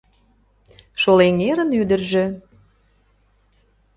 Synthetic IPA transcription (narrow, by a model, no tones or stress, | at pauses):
ʃoleŋeɾənyd̪ərʒĕ